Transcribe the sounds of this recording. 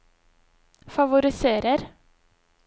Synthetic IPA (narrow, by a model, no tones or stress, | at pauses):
fɑʋʊɾɪseːɾəɾ